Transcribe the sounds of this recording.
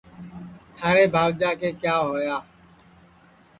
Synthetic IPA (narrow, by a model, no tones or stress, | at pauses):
t̪ʰaːɽeːbʱaːʋd͡ʒaːkeːkjaːɦoːjaː